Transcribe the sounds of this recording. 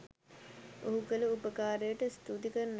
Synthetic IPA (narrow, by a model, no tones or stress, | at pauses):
oɦukəluupəkaːɾejəʈəst̪uːd̪ikənː